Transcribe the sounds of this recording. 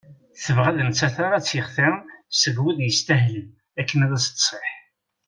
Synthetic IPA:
θəvʁaðəmt͡sːæθaɾˤat͡sːjəχθɪsəɡwiðjəst̪æɦləm | ækːənæðæsə̥t̪sˤeħ

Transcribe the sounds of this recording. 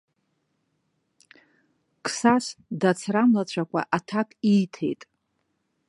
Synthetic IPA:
kʰsasdat͡sʰramlat͡ɕʷʰakʷʰʼa̰ʔatʰakʼijtʰe̞̰jtʼ

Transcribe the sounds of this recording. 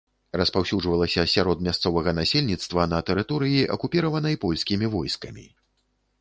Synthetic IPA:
rɐspawsʲuʐvɐlˠɐsʲɐsʲaɾɔd̪mʲast̪sɔvɐɣɐnasʲelʲnʲit̪st̪vɐnɐt̪ɛɾɨt̪ɔɾɨjiʔɐkupʲiɾɐvɐnɐjpɔlʲsʲkʲimʲivɔjskɐmʲḭ

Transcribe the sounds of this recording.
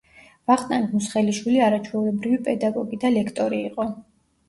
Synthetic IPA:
vaχt̪ʼankmusχɛliʃwiliaɾat͡ʃʰwɛulɛbɾivipʼɛd̪aɡɔɡid̪alɛkʰt̪ʼɔɾiːqʼɔ

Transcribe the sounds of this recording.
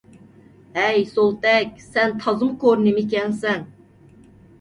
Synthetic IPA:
ɛjsolˠt̪ɛkʲsɛnt̪ʰɑzɨmkʰoɾnɪmik̬ʲɛnsɛn

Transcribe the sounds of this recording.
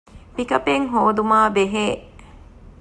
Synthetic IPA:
pikɐpeŋɦoːd̪umaːbeɦeː

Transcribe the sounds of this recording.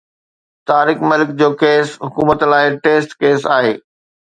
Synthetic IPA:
t̪aːɾɪkmɪlɪk̚d͡ʑoːkeːsɦʊkuːmət̪laːɪʈeːsʈkeːsaːɦeː

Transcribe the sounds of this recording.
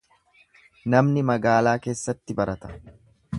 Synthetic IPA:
nɐmnɪmɐɡaːlaːke̞ːsːɐt̪ːɪbɐɾɐt̪ɐ̥

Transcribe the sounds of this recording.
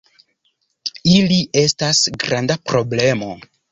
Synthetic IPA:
ilie̞stasɡɾandapɾo̞ble̞mo̞

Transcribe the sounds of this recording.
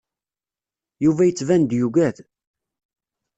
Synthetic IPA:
juvæjət͡sːvænd̪juɡæθ

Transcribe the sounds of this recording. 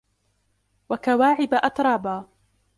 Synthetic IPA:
wakawaːʕɪbaʔɑt̪ɾˤɑːbaː

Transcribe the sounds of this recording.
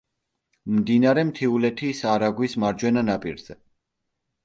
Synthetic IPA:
md̪inaɾɛmt̪ʰiulɛt̪ʰisaɾaɡwismaɾd͡ʒwɛnanapʼḭɾz̥ɛ

